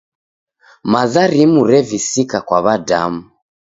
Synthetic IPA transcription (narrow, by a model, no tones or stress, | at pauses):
mazaɾimuɾɛvisikakwaβada̰mu